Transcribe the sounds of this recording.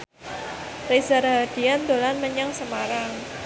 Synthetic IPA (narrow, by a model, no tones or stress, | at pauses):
rezaɾɦad̪̥iand̪olanməɲaŋsəmaɾaŋ